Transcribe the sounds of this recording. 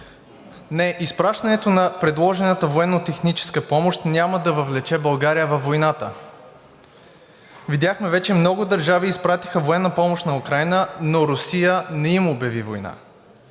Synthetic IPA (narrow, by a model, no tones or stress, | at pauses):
nɛʔispɾaʃt̪ɐnɛt̪onɐpɾɛd̪lˠɔʒɛnət̪əvoɛnːot̪ɛxnit͡ʃɛ̥skəpɔmoʃt̪nʲaməd̪ɐvəvlɛt͡ʃɛbɐlˠɡaɾijəvɐfːojnat̪ə̰ | vid̪jaxmɛvɛt͡ʃɛmnɔɡʊd̪əɾʒaviːspɾat̪i̥xəvoɛnːəpɔmoʃt̪nɐukɾajnənoɾʊsijənɛimʊːbjɐvivojna̰